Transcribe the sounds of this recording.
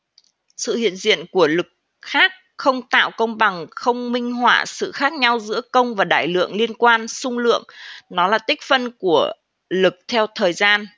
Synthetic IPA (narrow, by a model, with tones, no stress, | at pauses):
sɨ̰˧˨hḭ˧˨ənzḭ˧˨ənku˧˩əlɨ˨˩k̚ | xaː˦˥k̚xə˧wŋ͡mt̪a̰ː˧˨wkə˧wŋ͡mɓa˨˩ŋxə˧wŋ͡mmï˧ŋ̟ɦwaː˧˩sɨ̰˧˨xaː˦˥k̚ɲa˧wzɨ̰˧˥əkə˧wŋ͡mvaː˨˩ɗa̰ː˧˨jlɨ̰˧˨əŋli˧ənkwaː˧nsʊ˧ŋ͡mlɨ̰˧˨əŋnɔ˨˦laː˨˩t̪ï˦˥k̟̚fə˧nku˧˩ə | lɨ˨˩k̚t̪ʰɛ˧wt̪ʰəː˨˩jzaː˧n